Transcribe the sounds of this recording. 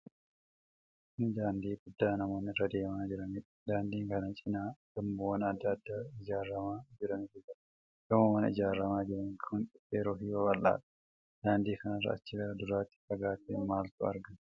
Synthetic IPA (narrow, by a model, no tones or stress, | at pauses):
nd̪aːnd̪iːɡʊd̪ːaːnɐmo̞ːnɪrɐd̪e̞ːmaːd͡ʒɪɾɐniᶑɐ̥d̪aːnd̪iːŋkɐnɐt͡ʃʼɪnaːɡɐmbɐwɐnɐd̪ːɐɐd̪ːaːɪd͡ʒaːɾːɐmaːd͡ʒɪɾɐnɪt̪ɪsɐ | ɡ̥ɐmɐwɐnɪ̰d͡ʒaːɾːɐmaːd͡ʒɪɾɐŋkʰɐŋkʼɪfeːɾoːfiːwɐkʼɐlːa̰ːᶑɐ̥ | d̪̥aːnd̪iːkɐnɐrːɐ̰ɐ̰t͡ʃːɪlɐd̪ʊɾaːt̪ːɪ̥fɐɡaːt̪ːɪnmaːlt̪ʊɐ̰ɾɡɐn